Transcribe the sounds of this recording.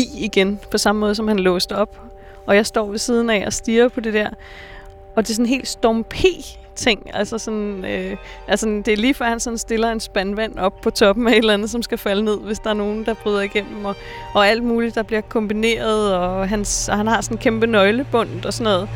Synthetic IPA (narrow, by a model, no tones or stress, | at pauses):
ḭiɡ̥enpʰɒ̽sɑ̈məmɔ̽ːð̞ˠsɒ̽mhænlɔːsd̥ɐɒ̽b̥ | ʔɒ̽jɑ̈ɪsd̥ɒ̰ːʋe̝siːð̞ˠn̩æɒsd̥iːɐpʰɒ̽d̥e̝d̥æɐ̰ | ɒ̽d̥e̝sɒnɦe̝̰ːld̥sd̥ɒmpʰe̝̰ː | t͡sʰe̝ŋ̰ælsɐsɒ̽nøʔælsd̥e̝æɐliːfɶɐ̰hænsɒ̽nsd̥e̝lɐe̝nsb̥ænʋæn̰ɒ̽b̥̚pʰɒ̽t͡sʰɒ̽b̥m̩æe̝d̥lænð̞̩ˠsɒ̽msɡ̥æfæləne̝ð̞̰ˠʋe̝sd̥ɑæɐno̝ːn̩d̥ɑ̈b̥ʁyðˠɐiɡ̥en̰m̩ɒ̽ː | æl̰d̥̚muːlidd̥ɑ̈b̥liɐkʰɒ̽mb̥ine̝̰ːɐðˠɒ̽ɦænshænhɑ̈sɒ̽nkʰemb̥ənɒ̽ɪləb̥ɔ̽n̰d̥ɒ̽sɒnɔ̽ːð̩ˠ